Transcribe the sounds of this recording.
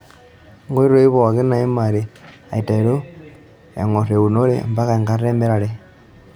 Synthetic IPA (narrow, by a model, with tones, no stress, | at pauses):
ŋɡo˦i˦ɾo˦i˦βo˨ɣe˦na˨i˦ma˨ɾe˨ | a˨i˨ta˨i˨ɾo˦ | ḛ˨ŋo˨ɾe˨u˨no˦lḛ˦mba˦ka˨ŋɡa˦ɾe˦mbe˦ɾa˨ɾe˦